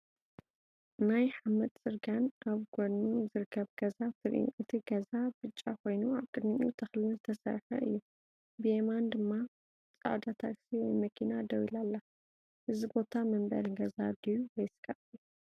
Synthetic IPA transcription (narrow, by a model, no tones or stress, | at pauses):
najħamɐt̪ʼt͡sʼɨɾɡanʔaβɡonːuzɨɾɨkʰːɐβɡ̥ɐzat̪ʰɨɾ̰ṵʔɨt̪ʰiɡɐzabɨt͡ʃʼːakʰo̞jnuaβkʼɨd̪miṵt̪ʰɐxlɨnzɨt̪ʰɐsɐ̰ɾħɐ̰ʔɨjːu | biemand̪ɨmːa | t͡sʼa̰ʕd̪at̪ʰaksiwɔjmɐkʰinad̪ɐwilalːa | ʔɨzibo̞t̪ʰamɐmbɐ̰ɾɡɐzad̪ijuwɔjsɨ̥kʼɐʔu